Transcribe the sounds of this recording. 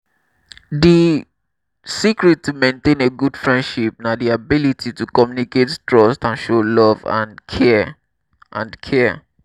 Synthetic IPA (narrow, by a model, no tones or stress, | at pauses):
di | sikɹitːumẽntẽneɡud̥fɹɛ̃ndʃip̚nadiabilitʰitukɔmjunikettɹɔstãnʃolɔvã̰nkʰɛ | ʔã̰nkʰɛ